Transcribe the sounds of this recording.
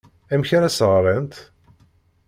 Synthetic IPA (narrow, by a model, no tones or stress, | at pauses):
æmçaɾæsəʁɾˤənt̪